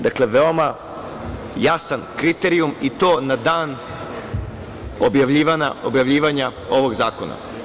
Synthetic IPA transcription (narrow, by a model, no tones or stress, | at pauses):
d̪akle̞ʋeo̞ma | jasankɾit̪eɾiumit̪o̞ːnad̪aːn | objaʋʎiːʋana̰objaʋʎiːʋaɲao̞ʋo̞ɡzaːko̞na̰